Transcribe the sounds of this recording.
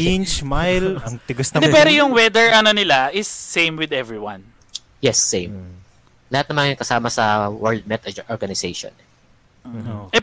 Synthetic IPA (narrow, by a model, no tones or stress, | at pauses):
ɪnt͡ʃmajlɐŋt̪ɪɡɐst̪ɐd̪ɛpɛːɾojʊŋwɛd̪ɛɹʔɐnonɪlaɪsːẽjmwɪd̪ɛvɹiwɐ̃n | jɛsːẽjm | lɐhat̪̚nɐmɐnɐkɐsaːmɐsɐwɛɹd̪̚mɛt̪ʔɔɹɡɐnɪseʃɔ̰n | oɛ